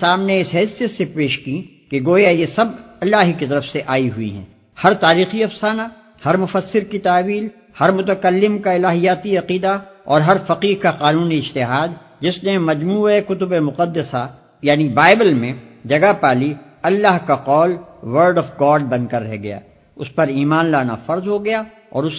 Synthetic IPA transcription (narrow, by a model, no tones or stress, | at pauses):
aːmneɪsɦɛːsijət̪sepeːʃkĩ | keɡoːjajesɐbɐlːaːɦkit̪ɐɾəfseʔaːiɦuḭɦɛ̰̃ː | hɐɾt̪aːɾiːxiɐfsaːna | hɐɾmʊfəsːɪɾkit̪aːʋiːl | hɐɾmʊt̪̬əkəlːɪmkaɪlaːɦijaːt̪iɐqiːd̪aɔːɾɦɐɾfɐqiːɦkaqaːnũːniɪd͡ʒt̪ɪɦaːd̪ | d͡ʒɪsnemɐd͡ʒmuːekʊt̪̬ʊbemʊqəd̪ːəsa | jaːnibaːɪbəlmẽd͡ʒɐɡapaːli | ɐlːaːɦkaqɔːlwəɾɖɔfɡaːɖ̚bɐ̃nd̪̚kɐɾːɛɦɡɐja̰ː | ʊspɐɾiːmaːnlaːna̰fɐɾzɦoɡɐja | ɔ̰ːɾʊs